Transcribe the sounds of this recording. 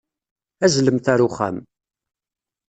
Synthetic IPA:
æzləmθæɾuχæ̰m

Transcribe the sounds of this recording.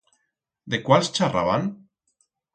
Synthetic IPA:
d̪ekwalst͡ʃara̰βan

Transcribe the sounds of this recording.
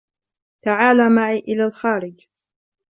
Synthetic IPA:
t̪aʕaːlaːmaʕiːʔɪlaːlxaːɾɪd͡ʒ

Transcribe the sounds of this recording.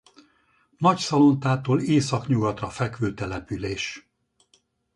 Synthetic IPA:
nɒcsɒlo̞nt̪aːt̪oːleːsɒkɲuɡɒt̪rɒfɛkʋøːt̪ɛlɛpyleːʃ

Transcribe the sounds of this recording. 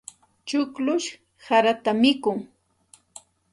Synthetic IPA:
t͡ʃʊklʊʃ | haɾat̪amɪkʊŋ

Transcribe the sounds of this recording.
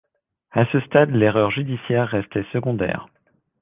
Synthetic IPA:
asəst̪ad̪leʁœʁʒyd̪isjɛʁːɛst̪ɛsəɡɔ̃d̪ɛ̰ːʁ

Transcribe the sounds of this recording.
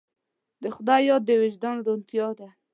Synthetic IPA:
d̪əxʊd̪ɑjɑd̪ːəwɪʒd̪anɾunt̪jɑd̪a

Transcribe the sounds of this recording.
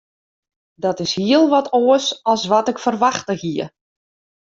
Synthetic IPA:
dɔtɪshiəlˠʋɔtʰoəsɔlˠsʋɔtɪkfərʋaxtəhiə

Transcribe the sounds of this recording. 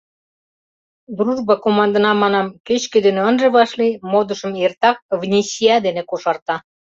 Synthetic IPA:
d̪ruʒbɑkomɑnd̪ɤ̆nɑmɑnɑmket͡ɕkĕd̪eneənʒĕβɑʃlimod̪ə̆ʃə̆mert̪ɑk̚vnʲesiɑd̪enĕkoʃɑrt̪ɑ

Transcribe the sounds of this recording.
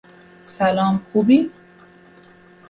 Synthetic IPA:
sælɒːmkʰubi

